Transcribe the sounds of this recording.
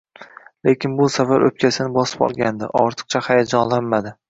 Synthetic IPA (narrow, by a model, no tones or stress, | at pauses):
lekʲɪnbʊsafaɾɵ̰p̚kʲʰasɪnɪbɒsɪ̥pɒ̰lˠɡʲand̪ɪ̰ʔɒ̰ɾt̪ʰɨ̥q̚t͡ʃʰahajad͡ʒɒnlanmad̪ɪ